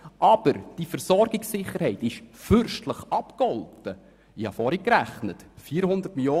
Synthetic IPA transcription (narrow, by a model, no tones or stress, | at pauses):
ʔɑb̥əɾd̥ifəɾsɔɾɡɪksɪχːəɾhɛɪtɪʃfʏɾʃtləχɑpkɔltə | ihɑfɔːɾikɾæχnətfiːɾhʊnd̪ərtmiljoː